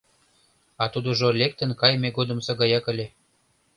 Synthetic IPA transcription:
ɑt̪ud̪əʒolʲek̚t̪ə̆nkɑjmeɡod̪ə̆msɑɣɑjɑkə̆lʲe

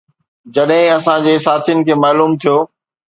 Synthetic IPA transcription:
d͡ʑɐɗɦɪ̃ɐsãd͡ʑeːsaːt̪ʰijʊnɪ̆kʰeːmaːluːmt̪ʰijoː

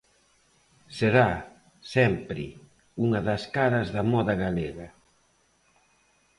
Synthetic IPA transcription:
seɾa | sɛmpɾɪ̰ | uŋɐðɐskaɾɐzðɐmɔðɐɣaleɣɐ

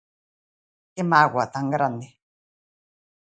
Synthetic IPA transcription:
kemawʷat̪aŋaɾane

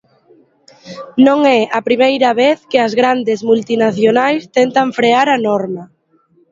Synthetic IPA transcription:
nõŋɛɐpɾimejɾɐβeθkɪɐzɣɾand̪ɪzmult̪inaθjonajst̪ɛnt̪ɐɱfɾeaɾɐnɔɾmɐ

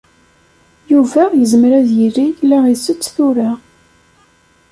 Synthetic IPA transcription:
juvæjəzmɾæðjirːijlːæʁisət͡sːθuɾa

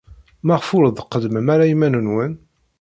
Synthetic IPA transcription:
mæʁfʊɾəðˤəqːəd̪məmæɾæjimænənwən

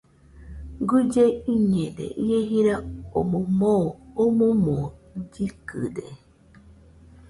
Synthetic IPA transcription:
ɡud͡ʒeiɲẽɾḛʔieɦiɾaomomoːmomod͡ʒikɨ̰ɾe

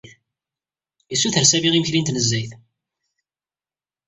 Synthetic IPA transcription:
θ | isːuθəɾsæviʁiməçlint̪nəzːæjθ

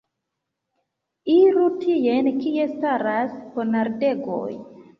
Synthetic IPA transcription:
iɾutijenkiestaɾaskonaɾdeɡo̰j

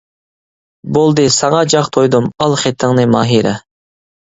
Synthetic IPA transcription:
bolˠd̪ɨsɑŋɑd͡ʒɑχt̪ʰojd̪umɑlˠχet̪ʰːɪŋnɨmɑːɦiɾɛ

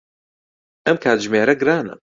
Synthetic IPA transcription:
ʔɐmkʰaːt̪ʒmeːɾɐɡɾaːnɐ̰

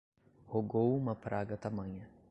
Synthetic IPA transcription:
hoɡowũmɐpɾaɡɐt̪amɐ̃ɲɐ

